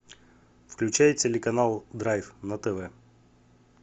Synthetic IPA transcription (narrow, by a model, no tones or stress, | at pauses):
fklʲʉt͡ɕæjtʲelʲɪkɐnalˠd̪ɾajfnɐt̪ɛvɛ